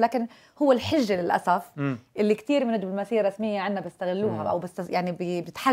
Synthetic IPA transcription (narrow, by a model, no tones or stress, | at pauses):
laːkɪn | hʊwːɪlħɪʒːalɪlʔa̰safʔɪlːikt̪iːɾmɪnɪd̪ʊlmasiːaɾˤɑsmɪjːaʕanːabjɪst̪aɣɪlːuːɦaʔa̰wbɪst̪ajaʕnibbnɪt̪ħa